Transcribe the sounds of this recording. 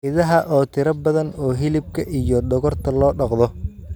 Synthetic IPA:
ɪðɐɦɐʔɔːt̪ʰɪɾɐbɐðɐnɔːɦɪlɪb̚kʰɐʔijɔd̪ɔɣɔrt̪ʰɐlɔːɖɑqðɔ

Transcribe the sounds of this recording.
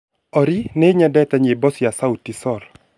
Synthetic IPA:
ɔɾineɲɛdɛtaɲebɔsjasautisɔɾ

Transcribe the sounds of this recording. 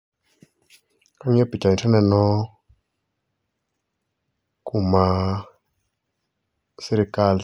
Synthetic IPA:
kaŋepit͡ʃaitʰanɛnɔ | kuma | seɾekal

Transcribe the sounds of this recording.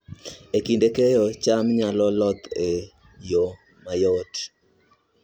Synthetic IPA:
ekindekejɔt͡ʃamɲalɔlɔt̪e | jo | majɔt

